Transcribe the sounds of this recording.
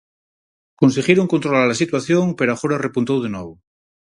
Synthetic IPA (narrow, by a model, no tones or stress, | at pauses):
konseɣjeɾoŋkont̪ɾolaɾlasit̪waθjõŋpeɾoaxoɾarepunt̪owðenoβo